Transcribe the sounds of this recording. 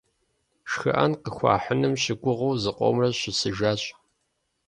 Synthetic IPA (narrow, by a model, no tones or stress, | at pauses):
ʃxɨ̰ʔɐnqəxʷɑ̰ːħənɨmʃɪɡʷʊʁɐwzɨqʷʼo̰mrɐɕɪsɨʒaːɕʼ